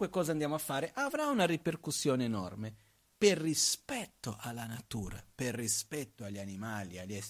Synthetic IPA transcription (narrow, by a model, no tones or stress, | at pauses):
ekɔːzand̪jaːmoafːaːɾeʔavɾaunariperkusːjɔːneːnɔrme | perːispɛt̪ːoʔalːanat̪uːɾa̰perːispɛt̪ːoaʎːanimaːliaʎːɛ